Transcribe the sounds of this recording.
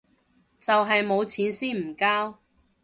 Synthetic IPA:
t͡sɐ˨wɦɐ˨jmo˨˧wt͡sʰiː˨˥nsiː˥m̩˨˩kaː˥w

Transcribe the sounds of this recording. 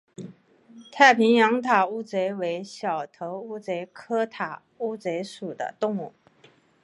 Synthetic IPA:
t̪ʰa˥˩ɪpʰi˧˥ŋjɑ˧˥ŋt̪ʰa˨˩u˥˩t͡swe˧˥ɪwe˧˥ɪɕjɑ˨˩ʊt̪ʰɤ˧˥ʊu˥t͡swe˧˥ɪkʰɤ˥t̪ʰa˨˩ | u˥˩t͡swe˧˥ɪʂu˨˩d̪ə̰˦t̪ʊ˥˧ŋu˥˩

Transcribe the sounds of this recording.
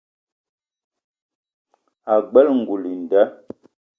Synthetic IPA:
a˨ɡ͡bɛ˦lŋ̩˨ɡu˨li˨n˨dɛ˦

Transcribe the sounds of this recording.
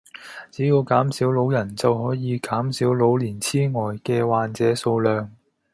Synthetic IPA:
t͡siː˨˥ji˧wkaː˨˥msiː˨˥wlo˨˥wjɐ˨˩nt͡sɐ˨whɔː˨˥jiː˨˧kaː˨˥msiː˨˥wlo˨˥wliː˨˩nt͡sʰiː˥ŋɔː˨jkɛː˧waː˨˧nt͡sɛː˨˥so˧wlœː˨ŋ

